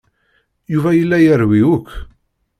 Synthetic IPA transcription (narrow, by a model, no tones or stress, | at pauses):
juvæjəlːæjəɾwiukː